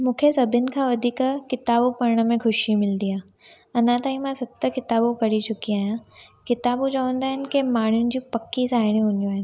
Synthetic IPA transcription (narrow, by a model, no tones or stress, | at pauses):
mũːkʰesɐbɪnɪ̆kʰãːʋɐd̪ʱiːkkɪt̪aːbopɐɾɽ̃ə̆mẽxʰʊʃimɪld̪iaː | ɐnãt̪aːɦĩmãsɐb̚t̪əkɪt̪aːbopɐɽit͡ɕʊkiaːɦjãkɪt̪aːbut͡ɕɐʋə̃nd̪aːɦɪnɪ̆kemaːɳ̤jʊnɪ̆d͡ʑiːpɐkːisaːɪɽ̃ĩɦũːn̆d̪joaːɦɪnɪ̆